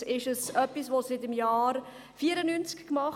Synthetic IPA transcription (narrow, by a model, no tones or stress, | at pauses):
ɪʃəsœpːisʋosɪtɪmjɑːɾ | fiːəɾənynt͡skkmɑχ